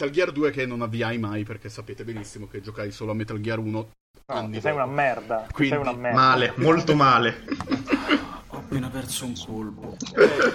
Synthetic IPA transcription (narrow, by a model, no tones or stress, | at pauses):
t̪alɡiard̪uːek̟enːonavːiajmajperk̟esːapeːt̪ebenisːimok̟ed͡ʒokajsoːloamːet̪alɡiaruːno | anːiɛjunamɛrd̪akwisjunamɛmaːlemolt̪omaːle | pːeːnapɛrsouŋkolpo